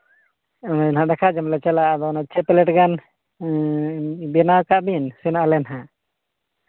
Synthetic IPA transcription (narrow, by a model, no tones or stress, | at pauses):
ɔnaɛnɦãd̪ɛkʰaʔd͡ʒamlɛt͡ʃɛlaad̪ɔnat͡ʃɛpɛlɛʈɡan | bɛnawkaʔbinsɛnaalɛnɦa